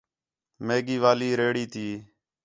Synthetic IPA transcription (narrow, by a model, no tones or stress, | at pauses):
meːɡiːʋaːliːɾeːɽiːt̪ʰiː